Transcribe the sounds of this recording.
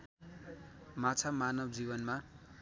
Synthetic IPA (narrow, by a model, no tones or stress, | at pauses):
mat͡sʰamanʌbd͡zibʌnma